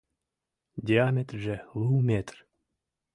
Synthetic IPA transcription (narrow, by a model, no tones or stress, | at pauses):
d̪ʲiamʲet̪rʒelˠuwmʲet̪r